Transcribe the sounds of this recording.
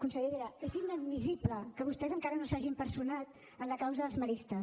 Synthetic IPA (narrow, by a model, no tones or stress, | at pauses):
kunsəʎeðeɾəət̪iməd̪mizipləkəβ̞ust̪ɛzəŋkaɾənosaʒimpəɾsunat̪̚ | ənləkawzəðəlˠzməɾist̪ə